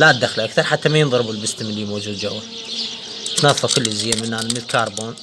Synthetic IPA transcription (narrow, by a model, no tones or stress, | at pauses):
lad̪axlʔakθɑɾˤħat̪ːamajɪnðˤɑɾbʊlbɪst̪mɪliːmoːd͡ʒuːd̪̚d͡ʒawːa | t̪nɑðˤfɑkʊlːɪzɪjamɪnːaːnmɪnɪlkɑːɾˤboːn